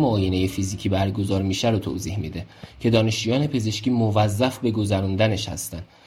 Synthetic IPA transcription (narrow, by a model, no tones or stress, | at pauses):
moːjene̞je̞fiziːcʰiːbæɾɡo̞zɒːɾmiːʃæɾot̪ʰo̰ːziːhmḭd̪ecʰe̞d̪ɒːne̞ʃt͡ʃujɒːne̞pʰe̞ze̞ʃciːmovæzːæfbe̞ɡo̞zæɾund̪æne̞ʃhæ̰st̪ænd̪